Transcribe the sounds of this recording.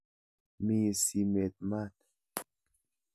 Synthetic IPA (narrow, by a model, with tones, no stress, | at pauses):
mi˦˨si˨me˨t̪̚ma˦t̪